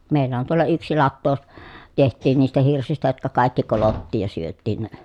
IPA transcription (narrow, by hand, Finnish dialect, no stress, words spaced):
meˑilˑæ on tuolːɑ yksi lɑtːoː tehtˑiːn niːstæ hirsistæ jotkɑ kɑˑikːi kolotːiːj jɑ syøtːiːn ne